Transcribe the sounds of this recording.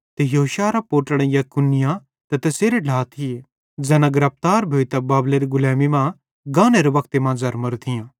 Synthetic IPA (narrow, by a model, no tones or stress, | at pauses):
t̪ejɐɦoʃaːɾapoːʈəɽ̃ẽjakʊnːɪjã | t̪ɛt̪ɐseːɾeɖʱaːt̪ʰie | d͡ʒɛːnãɡɐɾɐp̚t̪aːɾbʱoːit̪ɐbaːbleɾiɡʊlɛːmimã | ɡãːneɾeʋɐkʰt̪emãːzɐɾmɐɾt̪ʰɪjãː